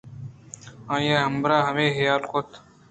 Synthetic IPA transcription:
ãːjaːɦɐmbɾaːɦɐmeːɦejaːlkot̪

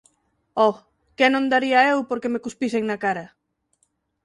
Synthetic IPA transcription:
ɔ | kenõŋd̪aɾiɐewpoɾkemekuspiseŋnakaɾɐ

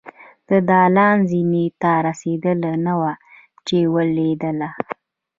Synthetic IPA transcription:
d̪̥əd̪ɑlɑnzinet̪aɾased̪əlanawa | t͡ʃewəled̪əla

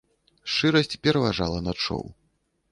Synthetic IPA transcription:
ʂt͡ʂɨɾɐsʲt͡sʲpʲɛɾɐvaʐalˠɐnat͡ʂɔ̰w

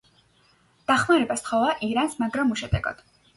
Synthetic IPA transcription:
d̪̥aχmaɾɛbast̪ʰχɔvaʔiɾansmaɡɾamːuʃɛd̪ɛ̰ɡɔ̰d̪̥

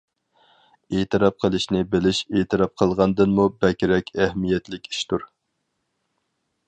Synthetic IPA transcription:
eːt̪ʰɨɾɑp̚qʰəlˠɨʃnɪbelɪʃet̪ʰɨɾɑp̚qʰəlˠʁɑnd̪ɨnmubɛkʲɾɛkʲʰæhmijɛt̪lɪkʲi̥ʃt̪uɾ

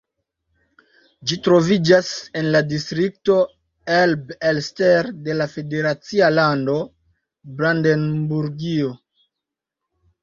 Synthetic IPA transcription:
d͡ʒitɾo̞vid͡ʒase̞nladistɾik̚to̞ | elbelsteɾde̞lafe̞de̞ɾat͡sialando̞ | bɾandenbuɾɡio

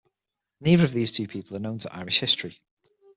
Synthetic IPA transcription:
niːðəɹəvðiːz̥tʰʉːpʰiˑpʰəlˠənõʊ̃ntʰəʔa̰ɪɹɪʃhɪstɹ̥i

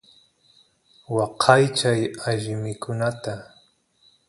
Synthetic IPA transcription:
wɑqʰɑjt͡ʃajaʎɪmɪkʊnat̪a

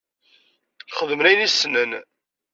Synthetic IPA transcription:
jχəðəmɾænisnən

